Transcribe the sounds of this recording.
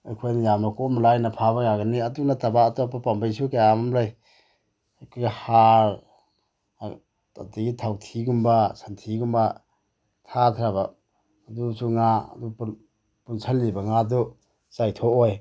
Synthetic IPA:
ajkʰojnijamakɔmlajnapʰaβajaɡaniadunatʰabaːtɔpapambajsukajamamlaj | kʰojɡahaɾ | a̰tiɡitʰawtʰiɡumbasantʰiɡumba | tʰatʰɾaβaː | dusuŋaa̰dup | punsʰalːibaŋadu | zajtʰɔʔoj

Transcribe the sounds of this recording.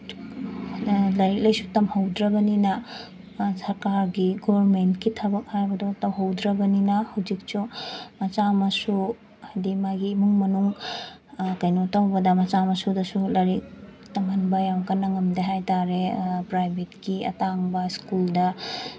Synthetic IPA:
lɐɾik̚lɐjsutɐmhɐwdɾɐbɐninɐ | sɐɾkaɾɡiɡobɾmentkitʰɐbɐk̚hajbɐdotɐwɦɐwdɾɐbɐninɐhɐwd͡ʒik̚t͡ʃumɐt͡ʃamɐsu | hajdimaɡiːmuŋmɐnuŋ | kɐjnotɐwbɐdɐmɐt͡ʃamɐsudɐsulɐɾik̚ | tɐmhɐnbɐjawkɐnːɐŋɐmdeɦajtaɾepɾajbʱetkiɐ̰taŋbɐskuldɐ

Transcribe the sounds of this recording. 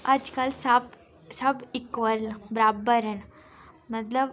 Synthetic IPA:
ad͡zkalsap | səbikʋəɾlbɾabəɾən | mət̪ləb

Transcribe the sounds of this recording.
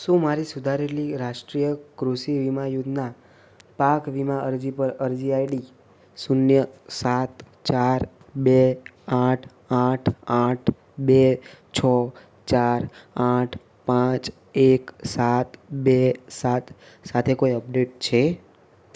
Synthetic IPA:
ʃũmaɾisud̪ʱaɾeliɾaʃʈɾijəkɾuʃiʋimajud̪ʱna | pakʋimaəɾd͡ʒipəɾəɾd͡ʒiajli | sunjəsat̪ | t͡ʃaɾ | beaʈʰ | aʈʰaʈʰ | bet͡ʃʰɔ | t͡ʃaɾaʈʰ | pãt͡ʃ | eksat̪besat̪ | sat̪ʰekoiəpɖeʈ̚t͡ʃʰe

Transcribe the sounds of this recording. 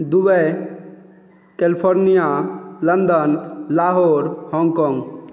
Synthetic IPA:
d̪uʋɛ | kelipʰoɾnijalənd̪ənlaːɦoɾhɔ̃ŋɡkɔŋɡ

